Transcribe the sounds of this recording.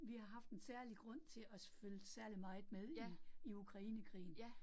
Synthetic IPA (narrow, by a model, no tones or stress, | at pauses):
ʋihɑ̈ɦɑ̈fd̥ensæɐliɡ̥ʁɔ̽n̰t͡sʰe̝ɒ̽sføld̥sæɐlimɑ̈ɪð̩ˠmeð̞ˠiiukʰʁɑ̈iːnəkʰʁḭːn̩